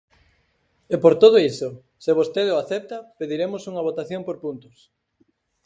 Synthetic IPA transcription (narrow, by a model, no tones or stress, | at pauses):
epoɾt̪oð̞oiso | seβ̞ost̪eðoaθɛp̚t̪ɐpeðiɾemʊsuŋɐβ̞ot̪aθjompoɾpunt̪ʊs